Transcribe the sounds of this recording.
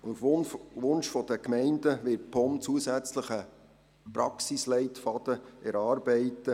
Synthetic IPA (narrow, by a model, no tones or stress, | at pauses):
fvʊnʃfɔd̥̪əkmɛɪndəʋɪt̚pʰɔmt͡suəsæt͡sləχə | pɾɑksislɛɪtfɑd̪̥əɛɾɑːɾbɛɪtə